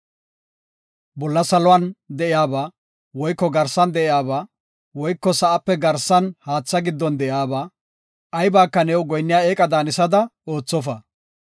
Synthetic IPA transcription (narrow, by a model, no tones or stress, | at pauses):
bɔlːɐsɐlɔwand̪ɛʔɪjaːbaː | wɔjkːɔɡɐɾsɐnd̪ɛʔɪjaːbaː | wɔjkːɔsɐʔɐpːɛɡɐɾsːɐnhaːt͡sːɐɡɪd̪ːɔnd̪ɛʔjaːbaː | ʔɐjbaːkːɐnɛwɡɔjnːɪjaːeːkʼɐd̪aːnɪsɐd̪ɐo̞ːt͡sːɔfɐ